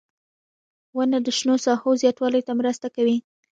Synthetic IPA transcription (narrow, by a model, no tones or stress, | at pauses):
wənad̪əʃnosɑhozjɑt̪wɑləjt̪amɾəst̪akawi